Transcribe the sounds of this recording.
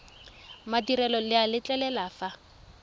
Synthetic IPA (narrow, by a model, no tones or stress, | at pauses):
madiɾɛlɔlɪalɪt͡ɬʼɛlɛlafa